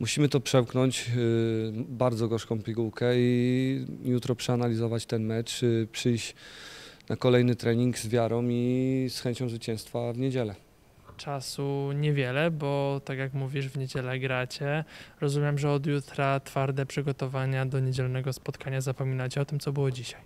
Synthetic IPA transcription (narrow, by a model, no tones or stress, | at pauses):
muɕimɘt̪ɔpʂɛmknɔɲt͡ɕ | baɾd̪zɔɡɔʂkɔ̃w̃pʲiɡuwkɛi | jut̪ɾɔpʂɛanalʲizɔvat͡ɕt̪ɛnmɛt͡ʂpʂɘjt͡ɕ | nʔakɔlɛjnɘt̪ɾɛɲiŋɡzvʲjaɾɔ̃w̃isxɛɲt͡ɕɔ̃w̃zvɘt͡ɕɛ̃w̃st̪favɲed͡ʑɛlɛ | t͡ʂasuɲɛvʲjɛlɛbɔt̪akjakmuvʲiʐvɲed͡ʑɛlɛɡɾat͡ɕɛɾɔzumʲjɛmʐɛɔd̪jut̪ɾat̪faɾd̪ɛpʂɘɡɔt̪ɔvaɲad̪ɔɲed͡ʑɛlnɛɡɔspɔt̪kaɲazapɔmʲinat͡ɕɛɔt̪ɘmt̪sɔbɘwɔd͡ʑiɕaj